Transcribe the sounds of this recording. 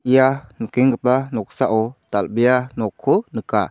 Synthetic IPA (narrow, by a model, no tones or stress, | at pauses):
ijankiŋɡəpanɔk̚saʔɔt̪albijanɔkʰːonɯka̰